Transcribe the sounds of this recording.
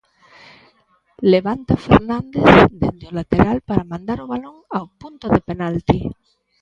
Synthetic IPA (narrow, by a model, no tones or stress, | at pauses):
leβant̪afḛɾnãnd̪esd̪end̪eolat̪eɾalpaɾamãnd̪aɾoβaloŋawpunt̪oðepenalt̪i